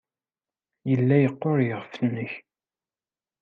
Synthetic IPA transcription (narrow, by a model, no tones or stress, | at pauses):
jəlːæjəqːoɾjəʁfnːəç